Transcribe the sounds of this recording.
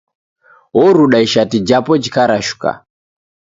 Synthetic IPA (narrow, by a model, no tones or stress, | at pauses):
ɔɾuɗaiʃatid͡ʒapɔd͡ʒikaɾaʃu̥ka̰